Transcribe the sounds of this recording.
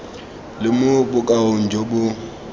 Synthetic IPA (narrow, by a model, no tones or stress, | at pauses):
lɪmʊbʊkʼaʊn̩d͡ʒʱobʊ